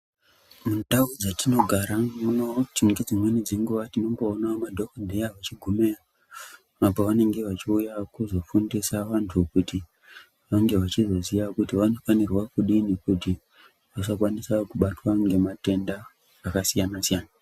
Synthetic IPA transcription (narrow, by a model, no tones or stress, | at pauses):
mundaud͡zatino̞ɡʱaɾamunotiŋɡed͡zimwe̞nid͡zeŋɡuʋatino̞ŋɡoːnamadʱokdʱejaʋat͡ʃiɡʱumea | mapaʋane̞ŋɡe̞ʋat͡ʃiujakuzo̞fundisaʋantʰukuti | ʋaŋɡe̞ʋat͡ʃizo̞zijakutiʋano̞fanirwakuɗinekuti | ʋat͡ʃakwanisakuɓatwaŋɡe̞mate̞ndaː | kasijanasijaːna